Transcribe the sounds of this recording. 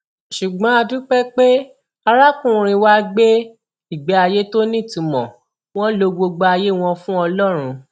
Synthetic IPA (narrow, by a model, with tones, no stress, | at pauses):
ʃu˨ɡ͡bɔ̃˨˦a˧du˦k͡pɛ˦k͡pe˦ | a˧ɾa˦kũ˦˨ɾ̃ĩ˧wa˦ɡ͡be˦ | i˨ɡ͡bɛ˨˦a˧je˦to˦nĩ˦˨tũ˨˧mɔ̰̃˨ | w̃ɔ̃˦lo˧ɡ͡bo˧ɡ͡ba˧a˧je˦w̃ɔ̃˧fũ˦ɔ˧lɔ˦ɾ̃ũ˧